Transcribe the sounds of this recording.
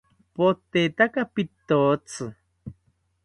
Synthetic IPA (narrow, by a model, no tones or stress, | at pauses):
pot̪et̪akapit̪ːot͡sɨ